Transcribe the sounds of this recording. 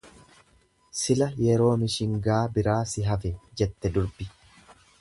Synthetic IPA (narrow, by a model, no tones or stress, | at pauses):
sɪlɐjɛɾo̞ːmɪʃɪŋɡaːbɪɾaːsɪɦɐfɛd͡ʒɛt̪ːɛd̪ʊɾbɪ